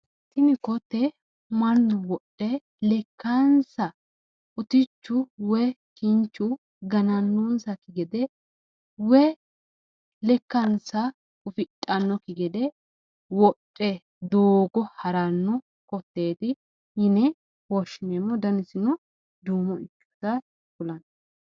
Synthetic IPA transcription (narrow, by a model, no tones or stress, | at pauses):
sɪnɪkɔt̪ːɛ | mɐnːɔwɔtʼːɛ | lɛkːɐnsɐ | ʊt̪ɪt͡ʃːʊwɛkɪnt͡ʃːʊ | ɡɐnɐnːunsɐkɪɡɛd̪ɛ | wɛ | lɛkːɐnsɐ | ʊfɪtʼːɐnːɔkɪɡɛd̪ɛ | wɔtʼːɛ | d̪oːɡɔhɐɾɐnːɔ | kɔt̪ːe̞ːt̪ɪ | ɪnɛ | wɔʃɪneːmːɔd̪ɐnɪsɪnɔ | d̪uːmɔɪkːu̥t̪ɐ | kʊlɐn